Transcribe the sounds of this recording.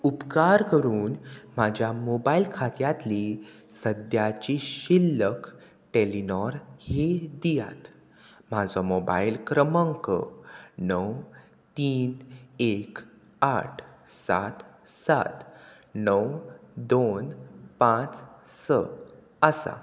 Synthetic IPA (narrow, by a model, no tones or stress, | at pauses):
upkaɾkəɾuːnm̤ad͡ʑʱjamobailkʰat̪jat̪li | səd̪jat͡ɕiɕilːək | ʈelinɔɾhed̪ija̰t̪ | m̤ad͡zɔmoba̰ilkɾəməŋkənəw | t̪iːnek | aʈʰsa̰t̪ | sa̰t̪ | nəwd̪onpãt͡ssə̰ | əsa̰